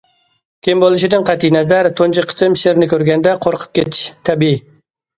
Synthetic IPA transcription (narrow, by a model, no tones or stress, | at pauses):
kʲʰɪmbolˠɨʃ̬ɪd̪ɨŋqʰæt̪ːinɛzæɾt̪ʰont͡ʃiqʰə̥t̪ʰɨmʃeɾnɪkʲʰøɾɡʲɛnd̪ɛqʰoɾqʰə̥p̚kʲet̪ʰɪ̥ʃt̪ʰɛbii